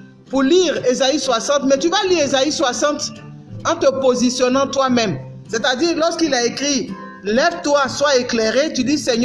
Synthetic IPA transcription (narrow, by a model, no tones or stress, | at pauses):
puʁliʁezaiswasɑ̃t̪mɛt̪yvaliʁezaiswasɑ̃t̪ | ɑ̃t̪əpozisjɔnɑ̃t̪wamɛm | sɛt̪ad̪iːʁlɔʁskilaekχi | lɛvt̪waswaeklɛʁet̪yd̪isɛɲ